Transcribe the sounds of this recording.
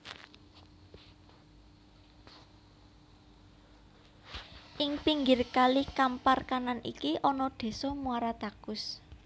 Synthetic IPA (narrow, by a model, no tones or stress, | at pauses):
ʔɪŋpiŋɡɪrkalikamparkananʔḭkiʔɔnɔd̪̥e̤sɔmuaɾat̪akʊs